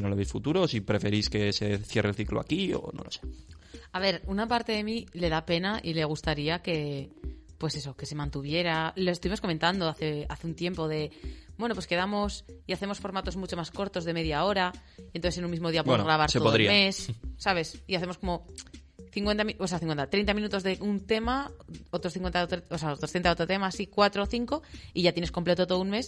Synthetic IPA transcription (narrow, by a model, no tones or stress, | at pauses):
noloβisfut̪uɾosipɾe̞fe̞ɾiske̞se̞θje̞relθiklo̰a̰kio̰no̰lo̞seaβe̞ɾunapaɾt̪e̞ðe̞mile̞ðape̞naʔile̞ɣ̞ust̪aɾiake̞ | pwe̞se̞so̞ke̞se̞mãnt̪uβ̞je̞ɾaloest̪uβimosko̞mẽ̞nt̪and̪oaθeaθeunt̪je̞mpo̞ðe̞bwe̞nopwe̞ske̞ð̞amo̞siaθe̞mo̞sfo̞ɾmat̪o̞zmut͡ʃo̞masko̞ɾt̪o̞zðe̞me̞ðjao̞ɾaienoθesenũnmizmoðiapwɾaβ̞aɾt̪seooɾimessːaβ̞e̞siaθe̞mosko̞mo̞ | θiŋkwe̞nt̪amioseaθiŋkwent̪at̪ɾe̞jnt̪amĩnut̪o̞zðe̞unt̪e̞maot̪ɾosθiŋkwent̪t̪ɾeosaot̪ɾost̪ent̪aot̪ɾot̪e̞masikwat̪ɾoθiŋko̞iʝat̪jenesko̞mple̞t̪ot̪oðunme̞s